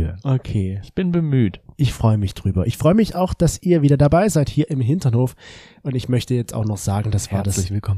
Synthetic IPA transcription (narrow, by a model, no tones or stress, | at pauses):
ʔokʰeːɪçb̥ɪnbəmyːtʔɪçfʁ̥ɔʏəmɪçd̥ʁyːbɐʔɪçfʁ̥ɔʏəmɪçaʊxd̥asʔiːɐviːdɐdabaɪzaɪthiːɐɪmɦɪntɐnhoːf | ʔʊntɪçmœçtəjɛt͡staʊxnɔχz̥aːɡŋ̩d̥asv̥aːɐdasɪçv̥ɪlkʰɔm